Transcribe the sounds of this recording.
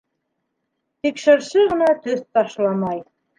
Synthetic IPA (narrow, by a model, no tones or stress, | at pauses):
t̪ikʃɘ̆ɾʃɘʁɤ̆nɑt̪ɵθt̪ɑʃlˠɑmɑj